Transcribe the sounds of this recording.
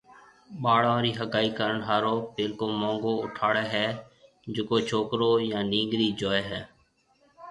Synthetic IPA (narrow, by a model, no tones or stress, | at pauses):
ɓaːɽãːɾiːɦəɡaːiːkəɾəɳɦaːɾoːpeːlkoːmõːŋɡoːʊʈʰaːɽeːɦɛː | d͡ʒʊkoːt͡ʃʰoːkɾoːjãːnĩːŋɡɾiːd͡ʒoːeːɦɛː